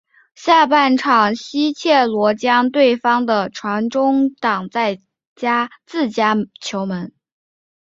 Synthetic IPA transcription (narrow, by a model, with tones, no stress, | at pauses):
ɕja˥˧pa˥˩nʈ͡ʂʰɑ˨˩ŋɕi˥t͡ɕʰjɛ˥˩lwɔ˧˥t͡ɕjɑ˥ŋt̪we˥˩ɪfɑ˥ŋd̪ə˨ʈ͡ʂʰwa˧˥nʈ͡ʂʊ˥ŋt̪ɑ˨˩ŋt͡sa˥˩ɪ | t͡ɕja˥t͡sɹ̩˥˩t͡ɕja˥t͡ɕʰjo˧˥ʊmə˧˥n